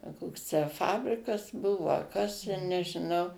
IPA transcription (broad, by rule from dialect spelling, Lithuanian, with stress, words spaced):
ɐ ˈkoːks tʲæː ˈfɑːbʲrʲɪkɐs ˈbʊʋoː ɐ ˈkɐs tʲɛ nʲɛʒʲɪˈnɐʊ